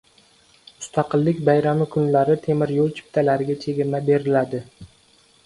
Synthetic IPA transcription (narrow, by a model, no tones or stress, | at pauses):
mʊst̪ʰɑqɨlˠːɪkʲbajɾamɪkʰʊnlaɾɪt̪ʰe̞mɪɾjolˠt͡ʃʰɪ̥p̚t̪ʰalaɾɪɡʲat͡ʃʰe̞ɡʲɪɾmabe̞ɾɪlad̪ɪ